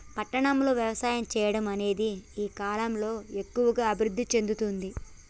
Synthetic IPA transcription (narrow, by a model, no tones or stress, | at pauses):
pɐʈːɐɳɐmlo̞ːʋjɐʋɐsaːjɐmt͡ʃɛːjɐɽɐmɐne̞ːd̪iiːkaːlɐmlo̞ːe̞kːuʋɐɡaːɐbʱiɾud̪ʱːit͡ʃe̞nd̪ut̪und̪i